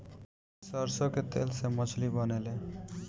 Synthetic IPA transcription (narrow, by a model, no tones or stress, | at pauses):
səɾsoket̪ḛːlsemət͡ʃʰlibənele